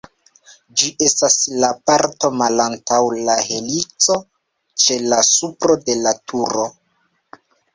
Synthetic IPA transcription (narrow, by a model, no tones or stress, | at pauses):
d͡ʒiʔe̞staslapaɾto̞malantawlahe̞lit͡so̞ | t͡ʃe̞lasupɾo̞de̞latʰuɾo̞